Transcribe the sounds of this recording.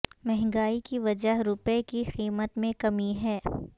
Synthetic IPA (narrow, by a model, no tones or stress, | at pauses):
mɛɦŋɡaːikiʋɐd͡ʒəɦɾʊpekixiːmət̪mẽkɐmiɦɛː